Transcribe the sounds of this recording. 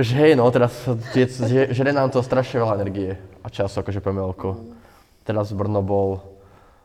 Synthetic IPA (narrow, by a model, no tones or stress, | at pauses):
ʒɛɦɛjnɔt̪ɛɾast̪ɪɛɛʒɛɾɛnaːmt̪ɔst̪ɾaʃɲɛʋɛlaɛnɛɾɡiɛat͡ʃasakɔʒɛpɛmɛlku | t̪ɛɾazbr̩nɔbɔl